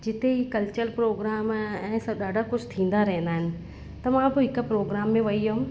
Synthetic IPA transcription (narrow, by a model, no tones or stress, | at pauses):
d͡ʑɪt̪eɦiːkɐlt͡ɕəɾpɾoːɡɾaːmɛ̃ːsɐɗaːɖʱakʊd͡ʑʱt̪ʰĩːn̆d̪aɾɐɦɪ̃n̆d̪aːɦɪnɪ̆ | t̪ɐmãbɪɦɪkʊ̆pɾoːɡɾaːmːẽʋɐiɐɦʊ̃